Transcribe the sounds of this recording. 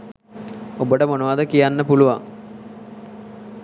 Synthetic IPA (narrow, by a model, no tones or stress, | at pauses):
obəʈəmonuʋaːd̪əkijanːəpuluʋa̰ŋ